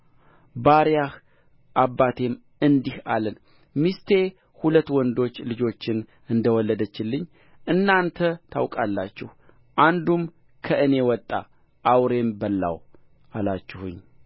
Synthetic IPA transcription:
baɾjah | ʔabːat̪ʰe̞m | ɨnd̪ihalən | mist̪ʰe̞ | hulət̪ːwɔnd̪o̞t͡ʃːlɨd͡ʒo̞t͡ʃːɪn | ɨnd̪əwɔlːəd̪ət͡ʃːɪlːɨɲː | ʔɨnːant̪ʰət̪ʰa̰wkʼalːat͡ʃːɛh | ʔand̪um | kʰəʔɨne̞wɔt̪ʼːa̰ | ʔawɾe̞mbəlːa̰w | ʔalat͡ʃːɪhṵɲː

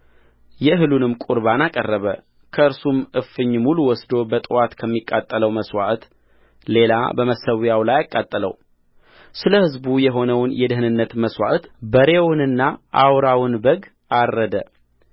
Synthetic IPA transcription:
jɛɦɨlunɨmkʼuɾβanakʼərːəβə | kʰəɨɾsumɨfːɨɲːmuluwɔsd̪o̞bət̪ʼɨwat̪kʰəmːikʼːat̪ʼːələwməswa̰ʔt̪ | le̞la̰bəməsəwjawlajakʼːat̪ʼːələ̰w | sɨləhɨzbujɛɦo̞nəwnjɛd̪ɨɦɨnɨnːət̪məswa̰ʔt̪bəɾewnɨnːaʔawɾawnbəɡ | arːəd̪ə̰

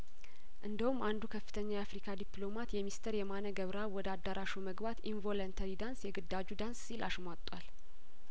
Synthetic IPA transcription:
ʔɨnd̪əhumːand̪ukʰəfːɨ̥t̪ʰəɲːajafɾikʰad̪iplo̞mat̪jɛmist̪ʰəɾjɛmanəɡəβɾawɔd̪əad̪ːaɾʔaʃuməɡbat̪invo̞lənt̪ʰaɾid̪ansjɛɡɨd̪ːad͡ʒud̪anssilaʃmat̪ʼːwal

